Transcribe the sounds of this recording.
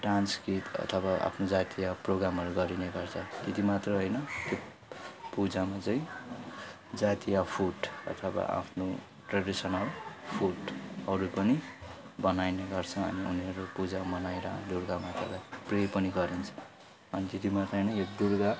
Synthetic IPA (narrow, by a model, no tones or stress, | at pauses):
ʈranskɾit̪ʌ̰t̪ʰʌbaa̰pʰnod͡zat̪ijaproɡɾamʌɾuɡʌɾineɡʌrt͡sʰʌt̪et̪imat̪rʌɦojnʌt̪jo | pud͡zamat͡saĩ | d͡zat̪ijapʰuʈʌ̰t̪ʰʌba̰ʔa̰pʰno | ʈraɖisʌnʌlpʰuʈʌɾupʌni | bʌnajneɡʌrt͡sʰʌʌ̰niṵniʌɾopud͡zamʌnajɾʌ̰d̪urɡamat̪rʌ̰lajprepʌniɡʌɾint͡sʰʌ̥ | ʌnit̪et̪imat̪ʌjnʌj̃jod̪urɡa